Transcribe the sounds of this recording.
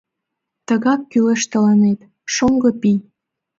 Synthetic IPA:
t̪əɣɑkːyleʃt̪ə̆lɑnet̪ | ʃoŋɡɤpij

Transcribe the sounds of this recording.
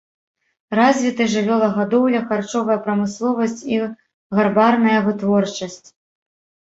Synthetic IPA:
razʲvʲit̪ɨʐɨvʲɔlˠɐɣad̪ɔwlʲɐxart͡ʂɔvɐjɐpɾɐmɨslˠɔvɐsʲt͡sʲi | ɣarbarnɐjɐvɨt̪vɔrt͡ʂɐsʲt͡sʲ

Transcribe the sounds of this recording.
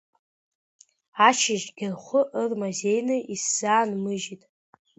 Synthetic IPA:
aʃʰɪʒɡʲɪrχʷʊʔərmazejnɨʔisz̥aːnmɨʒitʼ

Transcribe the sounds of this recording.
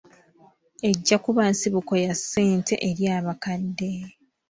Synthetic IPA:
e̞ɟːakuβansiβuko̞jasːe̞ːntʰe̞̰ʔeɾjaːβakadːe

